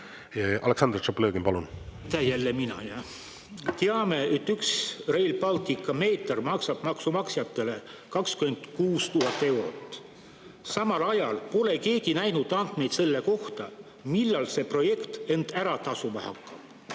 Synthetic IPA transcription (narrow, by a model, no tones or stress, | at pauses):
ɑʔɑ̰leksɑnd̪rt͡ʃoplɤːɡimpɑlunt̪æjælːeminɑ̰jɑ | t̪eɑme̞e̞t̪ːyksre̞jlpɑlt̪ˑikːˑɑme̞ːt̪ˑɑrmɑksɑb̥mɑksumɑksjɑt̪ːˑe̞le̞kɑkskyme̞nd̪̥kuːst̪uɦɑt̪ːˑe̞wɾo̞̰t̪ːˑ | sɑmɑlɑjɑlpo̞le̞ke̞ːɡinæjnud̪ˑɑnd̪̥me̞jd̪se̞lːe̞ko̞ht̪ɑ | milːɑlse̞pro̞je̞kt̪e̞nd̪̥æɾɑt̪ɑsumɑhɑ̰kːɑb̥